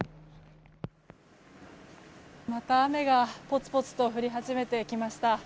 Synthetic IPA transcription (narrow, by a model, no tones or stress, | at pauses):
mat̪aːme̞ɡapo̞t͡sɨ̥po̞t͡sɨ̥t̪oɸɯ̟ɾʲiɦaʑime̞t̪e̞kʲimaɕi̥t̪a